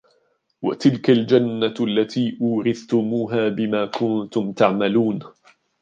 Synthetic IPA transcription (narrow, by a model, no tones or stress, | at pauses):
wa̰t̪ɪlkald͡ʒanːaalːat̪ʰiːʔuːɾɪθt̪ʊmuːɦaːbɪmaːkʰʊnt̪ʊmt̪aʕmaluːn